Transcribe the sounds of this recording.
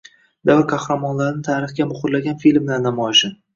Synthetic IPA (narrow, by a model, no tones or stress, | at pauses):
d̪̥avɾkʰahɾamɒnlaɾɪnɪt̪ʰaːɾɪχɡʲamʊχʊɾlaɡʲanfilmnanamɒjɪʃɪ